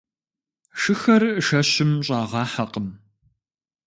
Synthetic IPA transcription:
ʃɨxɐrʂɐɕɪmɕʼɑːʁɑːħɐqəm

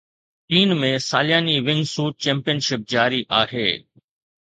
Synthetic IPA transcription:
ʈiːnmẽːsaːlɪjaːniʋɪ̃ŋɡsuːʈ̚t͡ʃɛ̃ːmpijənʃɪp̚d͡ʒaːɾiʔaːɦḛː

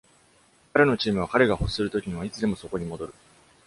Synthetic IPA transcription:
kaɾe̞no̞t͡ɕiːmɯ̟β̞akaɾe̞ɡaho̞ssɨɾɯ̟t̪o̞kʲiɲ̟iβait͡sɨd̪e̞mo̞so̞ko̞ɲ̟imo̞d̪o̞ɾɯ̟

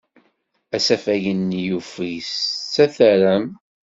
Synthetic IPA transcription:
æsæfæʝənːjufist͡sːæθæɾæm

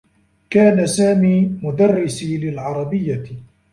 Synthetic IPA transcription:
kaːnasaːmiːmʊd̪arːɪsiːlɪlʕɑɾˤɑbɪjːa

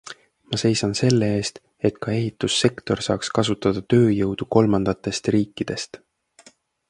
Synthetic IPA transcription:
mɑse̞jsɑnse̞lːeeːst̪ | e̞t̪kɑe̞ɦit̪ːˑusːe̞kt̪o̞rsɑ̰ːkskɑsut̪ːˑɑd̪̥ɑt̪ø̞ːjɤwd̪̥uko̞lmɑnd̪̥ɑt̪ːˑe̞st̪riːkːˑid̪̥e̞st̪

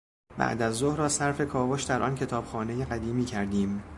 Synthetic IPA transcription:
bæ̰ʔd̪æzːohɾɒːsæɾfe̞kʰɒːvoʃd̪æɾʔɒ̰ːncʰe̞t̪ʰɒːb̥xɒːne̞jeɣæd̪iːmiːcʰæɾd̪iːm

